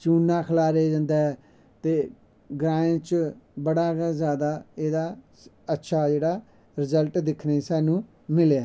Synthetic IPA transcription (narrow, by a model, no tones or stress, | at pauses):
t͡ʃuːnːãːkʰəlaːɾed͡ʒãnd̪eɛ | t̪eː | ɡɾãːẽt͡ʃbəɽaːzjaːd̪aːeːd̪aː | ətːʃʰaːd͡ʒeːɽaː | ɾɪzəlʈd̪ɪkʰneːsɛːnũː | mɪleaː